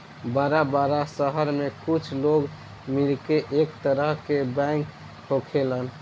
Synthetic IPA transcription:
baɾabaɾasəɦəɾmekut͡ʃʰloɡ | milkeʔekt̪əɾəɦkebãŋk | hʰokʰelən

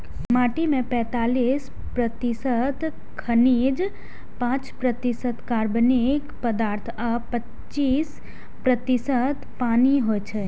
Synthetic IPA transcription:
maːʈimẽpɛ̃ːt̪aːliːs | pɾət̪isət̪ | kʰəniːd͡ʒ | pãːt͡ʃpɾət̪isət̪kaɾbənekpəd̪aːɾt̪ʰapət | t͡ʃːiːs | pɾət̪isət̪paːniɦojt͡ʃʰe

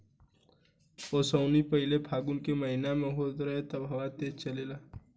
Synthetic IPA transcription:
oːsəʊnipɐɦɪlebʱaːɡʊnkeməɦinamẽɦoːt̪ɾɐɦet̪ɐbɦɐʋat̪eːt͡ʃɐleːlaː

